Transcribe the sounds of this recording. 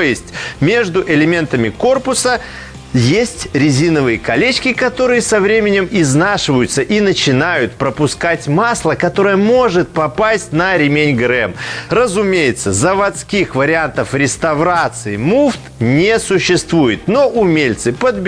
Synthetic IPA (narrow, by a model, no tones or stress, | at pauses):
jɪsʲtʲmʲe̞ʐd̪ʊʔɪlʲɪmʲe̞nt̪əmʲɪko̞rpʊsə | jesʲtʲɾʲɪzʲinəvɨjəkɐlʲet͡ɕkʲɪkɐt̪o̞ɾɨjəsɐvɾʲemʲɪnʲɪmɪznaʂɨvəjʊt̪səʔinət͡ɕɪnajʊt̪pɾəpʊskatʲmaslˠəkɐt̪o̞ɾəjəmo̞ʐɨt̪̚pɐpasʲtʲnəɾʲɪmʲenʲɡɾɛmrəzʊmʲejɪt̪səzəvɐt̪skʲixvəɾʲɪant̪əfɾʲɪst̪ɐvɾat̪sɨɪmuft̪nʲesʊɕːɪst̪vujɪt̪no̞ʔʊmʲelʲt̪sɨpəd̪bʲ